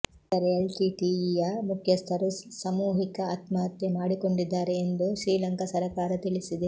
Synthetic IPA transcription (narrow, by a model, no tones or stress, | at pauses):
t̪ɐɾelʈiʈijɐmukʰjɐst̪ʰɐɾusɐmuːɦikɐɐt̪mɐːt̪ːemaːɽiko̞ɳɖid̪ːaːɾeːnd̪uʃɾiːlɐŋkɐsɐɾɐkaːɾɐt̪iɭisid̪e